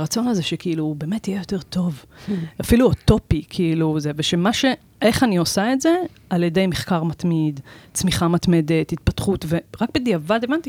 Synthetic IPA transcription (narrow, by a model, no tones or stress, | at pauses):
ʁat͡so̞naze̞ʃekiilube̞ːme̞t̪ːijejo̞t̪e̞ʁt̪o̞vafiluot̪o̞pikʰiiluzeveʃemaʃe̞ | ʔe̞χanio̞saetze̞ | aljede̞jmeχkaʁmat̪mid̪t͡smiχamat̪me̞de̞t̪hit̪̚pat̪χut̪ve̞ʁak̚bed̪iavadevanti